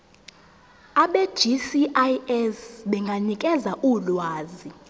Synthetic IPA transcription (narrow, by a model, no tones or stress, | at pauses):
aɓe̥ʒ̥isiʔaɛsɓɛŋɡʱanikʼɛzaʔulwaːzi